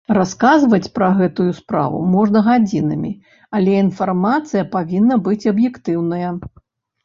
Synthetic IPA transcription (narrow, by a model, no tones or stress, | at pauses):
raskazvɐt͡sʲpɾɐɣɛt̪ujuspɾa̰vṵmɔʐnɐɣad͡zʲinɨmʲḭ | alʲɛinfarmat̪sɨjɐpavʲinːɐbɨt͡sʲɐbjɛkt̪ɨwnɐjɐ